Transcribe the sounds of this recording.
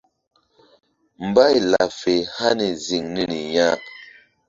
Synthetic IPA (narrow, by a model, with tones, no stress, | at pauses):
m̩˨ba˦˨jla˨fe˨ha˦ni˨zi˨ŋni˦ni˨ɲa˦